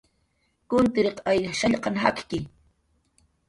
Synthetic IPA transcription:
kʊnt̪ɪɾeqajaʃaʎqɑŋɦakkɪ

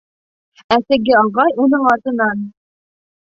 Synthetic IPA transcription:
æsɘ̆ɡɘɑʁɑjunɤɴɑt̪ɤ̆nɑn

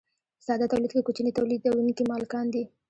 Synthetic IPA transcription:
sɑd̪at̪awlid̪kekot͡ʃnit̪awlid̪awinikimɑlkɑnd̪i

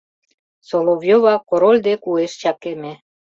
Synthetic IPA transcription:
solovjoβɑkoɾolʲd̪ekueʃt͡ɕɑkeme

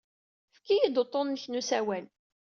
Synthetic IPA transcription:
fkːijid̪ot̪ˤːonːəçnusæwæl

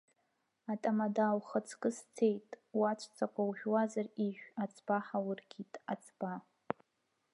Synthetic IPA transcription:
atʼamadawχət͡sʰkʼɨst͡sʰe̞jtʼwat͡ʃʷʰʼt͡sʰakʷʰʼawʒᶣwazariʒᶣʷat͡sʰʼb̥aħawʊrɡʲitʼa̰t͡sʰʼba

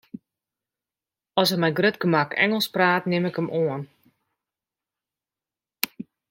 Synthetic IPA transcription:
ɔsəmɛjɡrøtkəmakɛ̰ŋəlˠspraːtnɪmɪkəmʔoən

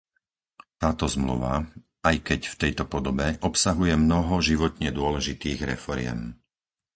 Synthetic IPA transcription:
t̪aːt̪ɔzmlṵʋa̰ | ajkɛcft̪ɛjt̪ɔpɔd̪ɔbɛʔɔpsaɦujɛmnɔɦɔʒiʋɔt̪ɲɛd̪ʊɔlɛʒit̪iːɣɾɛ̰fɔɾɪɛ̰m

